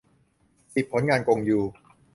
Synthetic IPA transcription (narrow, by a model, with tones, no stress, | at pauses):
si˨˩pʰːo˩˦nŋaː˧nko˧ŋjuː˨˩